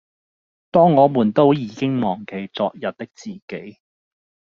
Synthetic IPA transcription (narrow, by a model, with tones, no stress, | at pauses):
t̪ɔː˥ŋːɔː˨˧muː˨˩nt̪o˥wjiː˨˧kɪ˥ŋmɔː˨˩ŋke˨˩jt͡sɔː˧k̚jɐ˨t̚t̪ɪ˥k̚t͡siː˨˩ke˨˥j